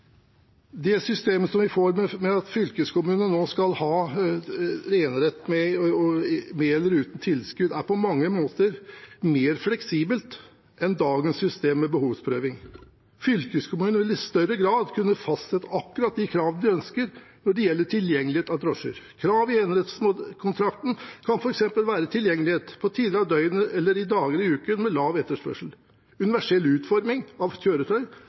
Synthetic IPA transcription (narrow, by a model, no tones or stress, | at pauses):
d̪ɛsʏst̪eːməsɔmʋɪfoːɾmɛmɛɑt̪fʏlkəskʊmʉːnənoːskɑlhɑː | ɾeːnɾɛt̪ːmɛɔmeːɛlːəɾʉːt̪n̩t̪ʰɪlskʉd̪æɾpʰɔmɑŋːəmoːt̪əɾmeːɾflɛksiːbəlt̪ | ʔɛnd̪ɑːɡənsːʏst̪eːmːɛbəhuːʋspʰɾøːʋɪŋ | fʏlkəskʰʊmʉːnʉɪst̪œɾːəɡɾɑːd̪kʰʉnːəfɑst̪sɛt̪ːəɑkːʉɾɑt̪̚d̪ɪkʰɾɑːʋən̩d̪ɪœnskəɾ | nɔɖɛjɛlːəʈʰɪljɛŋːlɪheːt̪ɑd̪ɾɔʂə̰ɾkʰɾɑːʋɪenɾət̪smokʰʊnt̪ʰɾɑkt̪n̩kʰɑnfɔɾɛksɛmpəlʋæːɾət̪ʰɪljɛŋːəlɪheːt̪pʰɔt̪ʰiːd̪əɾɑʋd̪œʏənəɛlːəɾɪd̪ɑːɡəlɪʉːkənmɛlɑːʋɛt̪ːəʂpœ̰ʂəl | ʉnɪʋæʂɛlːʉːt̪fɔɾmɪŋɑʋçøːɾət̪ʰœʏ